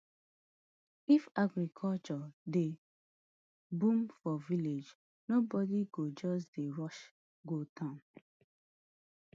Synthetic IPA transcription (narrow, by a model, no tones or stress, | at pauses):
ifaɡɹikʰɔlt͡ʃɔde | bũmfɔviled͡ʒ | nobɔdiɡod͡ʒɔs̬deɹɔʃ | ɡotʰãn